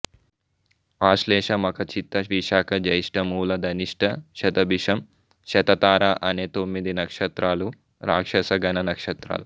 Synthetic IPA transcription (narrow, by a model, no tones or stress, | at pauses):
aːʃleːʂɐmɐkɐt͡ʃit̪ːɐʋiʃaːkɐd͡ʒɐjiʂʈɐmuːlɐd̪ɐniʂʈɐʃɐt̪ɐbiʂɐm | ʃɐt̪ɐt̪aːɾaːʔɐneːt̪omːid̪inɐkʂɐt̪ɾaːlu | ɾaːkʂɐsɐɡɐnɐnɐkʂɐt̪ɾa̰ːlu